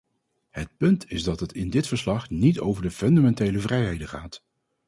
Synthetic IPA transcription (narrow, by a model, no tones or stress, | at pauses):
hət̚pɵntʰɪzdɑtɦətɪndɪtfəɹslɑχnitowvəɹdəfɵndamɛntejləvrɛjɦejdəχaːt